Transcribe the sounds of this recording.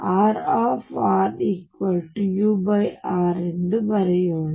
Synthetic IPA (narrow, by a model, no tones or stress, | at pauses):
aːɾaːfaːɾikwɐlʈjuːbɐɪaːɾɛnd̪ɯmɐɾɐjoːɽ